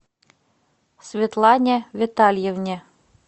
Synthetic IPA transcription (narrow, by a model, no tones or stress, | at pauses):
svʲet̪lˠɑnʲevʲet̪ɑlʲjevnʲĕ